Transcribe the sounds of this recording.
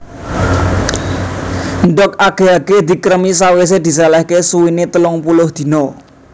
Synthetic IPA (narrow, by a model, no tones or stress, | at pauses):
nɖɔkaɡ̥e̤aɡ̥ed̪̥i̤kəɾəmis̬awes̬ed̪̥i̤salɛhkesuwinet̪əlʊŋpulʊhd̪̥i̤nɔ